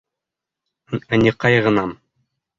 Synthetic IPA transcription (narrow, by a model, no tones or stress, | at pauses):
ænʲiqɑjʁɤ̆nɑm